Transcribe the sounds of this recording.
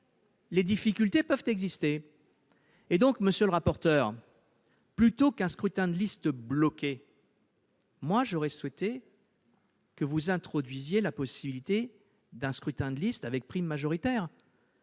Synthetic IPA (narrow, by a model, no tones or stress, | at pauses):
led̪ifikʲylt̪epœvt̪ɛɡzist̪e | ed̪ɔ̃kməsjøləʁapɔʁt̪œːʁ | plyt̪okɛ̃skχyt̪ɛ̃d̪əlist̪blɔkʲe | mwaʒɔʁɛswɛt̪e | kəvuzɛ̃t̪χɔd̪ɥizjelapɔsibilit̪e | d̪ɛ̃skχyt̪ɛ̃d̪əlist̪avɛk̚pχimːaʒɔʁit̪ɛːʁ